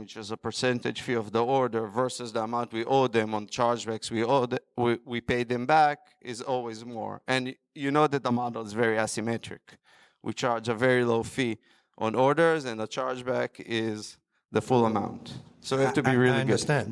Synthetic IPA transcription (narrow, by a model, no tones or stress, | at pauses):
wɪt͡ʃɪzəpə˞sɛ̃ntɨ̰d͡ʒ̥fiɔvðiɔɹdə˞vɜ˞sɨsðəəmãʊ̃ntwiʔoʊd̪ðɛ̃mɔ̃nt͡ʃɑɹd͡ʒbækswiodwiwipeɪd̪ðɨ̃mbæk | ɪzɔlˠwizmɔ̰ɹɨ̃n | jɨnoʊðæt̪̚d̪əmɑdl̩ˠɪzvɛɹiæsɨmɛtʰɹɪ̰k | wḭt͡ʃɑɹd͡ʒəvɛɹiloʊfi | ʔɔ̰̃nɔɹdə˞zɛ̃nðət͡ʃɑɹd͡ʒbækɪz | ðəfulˠəmã̰ʊ̃nt | soʊaævtubiɹilˠĩɡtæ̃n